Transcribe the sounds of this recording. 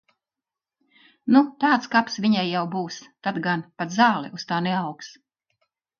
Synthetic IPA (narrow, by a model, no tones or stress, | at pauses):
nut̪aːt̪skapsviɲajːawbuːst̪ad̪ɡanpat̪zɑːlˠɛ̰ʔust̪aːnɛawks